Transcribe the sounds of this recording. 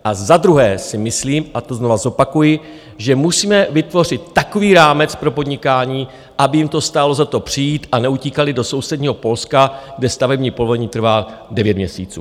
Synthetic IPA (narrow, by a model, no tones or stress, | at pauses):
ʔazad̪ɾuɦɛːsɪmɪsliːmʔat̪o̞zno̞vazo̞pakujɪ | ʒɛmusiːmɛvɪt̪vo̞r̝ɪt̪̚ːako̞viːɾaːmɛt͡spɾo̞po̞dɲɪkaːɲiː | ʔabɪjɪmt̪o̞st̪aːlo̞zat̪o̞pr̝̥ɪjiːt̪ʔanɛuciːkalɪdo̞so̞wsɛdɲiːɦo̞po̞lskaɡdɛst̪avɛbɲiːpovoɲiːt̪r̩vaːdɛvjɛt̪mɲɛsḭːt͡sṵː